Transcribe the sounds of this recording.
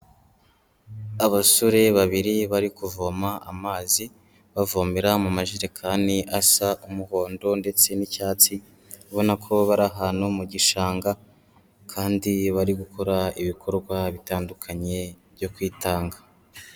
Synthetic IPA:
aβasuɾe̞βaβiɾiβaɾikuvomaa̰maːzi | βavomeɾamumaʒiɾekʰaːniʔasaʔumuho̞ːndo̞nde̞t͡se̞nicaːt͡si | βo̞nakʰo̞βaɾaɦanomuɟiʃaːŋɡa | kʰaːndiβaɾiɡukʰo̞ɾaiβikʰo̞ɾɡwaβitaːndukʰaɲe̞βjo̞kwiːtaːŋɡḁ

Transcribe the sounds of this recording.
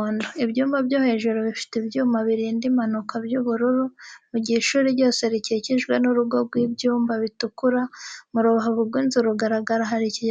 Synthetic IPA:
ndoibɟuːmbabɟohe̞ʒuɾoβifi̥tebjuːmaβiɾiːndimanukabjuβuɾuɾumuɟihiʃuːɾiɟo̞ːse̞ɾiceciʒɡwe̞nuɾuɡoɡwiːbjuːmbaβitukuɾamuɾuβaɦoβuɡwiːnzuɾuɡaɾaɡaɾaɦaɾici

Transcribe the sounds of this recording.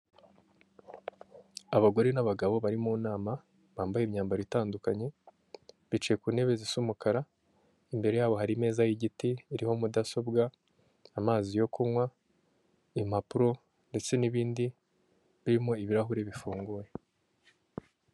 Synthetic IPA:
aβaɡo̞ɾenaβaɡaβo̞βaɾimuːnaːma | βaːmbajemɲaːmbaɾβitaːndukaɲe̞ | βit͡ʃeje̞kuːne̞βe̞zisumukaɾa | imbe̞ɾe̞jaːβo̞ɦaɾime̞ːzajiɟitiːɾiho̞mudaso̞bɡaː | maːzijo̞kumwa | im̥apuɾo̞ | nde̞t͡se̞niβiːndi | βiɾimo̞iβiɾaɦuɾe̞βifuːŋɡuːje

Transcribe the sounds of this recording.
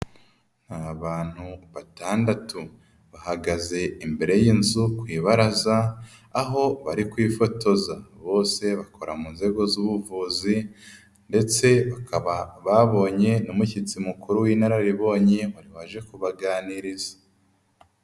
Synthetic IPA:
n̥haβaːn̥huβataːndatu | βahaɡaze̞imbe̞ɾe̞jiːnzukwiːβaɾazaː | ɦo̞βaɾikwiːfo̞to̞zaβo̞ːse̞βakʰo̞ɾamunze̞ɡo̞zuβuvuːzi | nde̞t͡se̞βakʰaβaβaβo̞ɲe̞numucit͡simukuɾuwiːnaɾaɾiβo̞ːɲe̞waɾiβaʒe̞kuβaɡaːniɾizḁ

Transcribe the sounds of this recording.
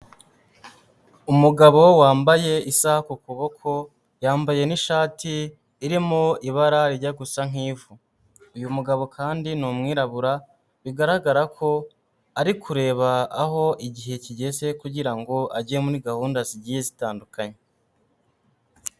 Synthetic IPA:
umuɡaβo̞waːmbaje̞isahakukuβo̞kʰo̞ | jaːmbaje̞niʃaːtʰiː | ɾimoiβaɾaɾiɾɟaɡusaŋ̥iːvu | ujumuɡaβo̞kʰaːndinumŋiːɾaβuɾa | βiɡaɾaɡaɾakʰo̞ | aɾikʰuɾe̞ːβaːɦo̞ʔiɟiɦe̞ciɟe̞ze̞kuɟiɾaŋɡo̞aɟemuɾiɡahuːndaziɟije̞zitaːndukaɲe

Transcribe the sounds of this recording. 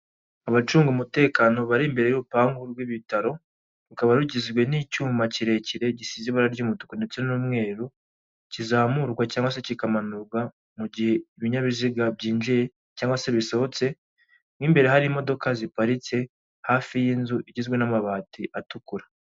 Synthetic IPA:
aβat͡ʃuːŋɡumute̞ːkano̞βaɾimbe̞ɾejuɾupaːŋɡuɾɡwiβitaɾo̞ | ɾukaβaɾuɟizɡwe̞nicuːmaciɾe̞ciɾe̞ɟisizeβaɾaɾɟumutu̥konde̞t͡se̞nuːmŋe̞ːɾu | cizaːmuɾɡwacaːŋɡwase̞cikamanuɾɡwa | muɟihe̞iβiɲaβiziɡabɟiːnʒije̞ | caːŋɡwase̞βiso̞hot͡se̞ | mŋimbe̞ɾe̞ɦaɾimo̞do̞kazipaɾit͡se̞ | haːfijiːnzuʔiɟizɡwe̞namaβaːtiʔatukuɾa

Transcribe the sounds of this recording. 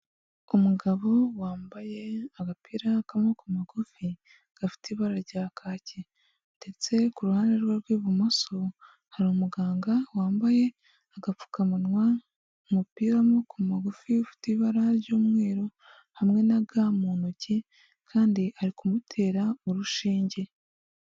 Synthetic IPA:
umuɡaβo̞waːmbajeaɡapiːɾakamokumaɡufi | ɡ̥afi̥tiβaɾaɾɟaːkʰaːce | nde̞t͡se̞kuɾuhaːndeɾɡwaɾɡwiːβumoso̞ | haɾiumuɡaːŋɡawaːmbaje̞ | aɡafu̥kamunwa | umupiːɾamokumaɡufiufi̥tiβaɾaɾɟoːmŋe̞ːɾo̞ | hamŋe̞naɡamuːnoɟe | kʰaːndiʔaɾikumutʰe̞ːɾaoɾuʃiːɲɟe̞

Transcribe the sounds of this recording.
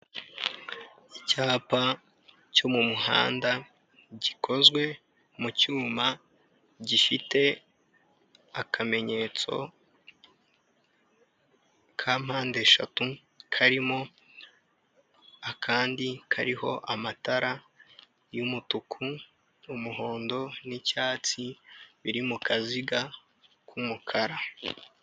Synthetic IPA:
icaːpa | comumuha̰ːnda | ɟikʰo̞zɡwe̞ | mucuːma | ɟifite̞ | akʰame̞ɲe̞t͡so̞̰ | kʰam̥haːnde̞ʃa̰tu | kʰaɾimo̞ | akʰaːndikʰaɾiho̞̰ʔamataɾa | jumutukʰuː | muɦo̞ːndo̞nicaːt͡siβiɾimukʰaziɡa | kʰumukʰaɾa

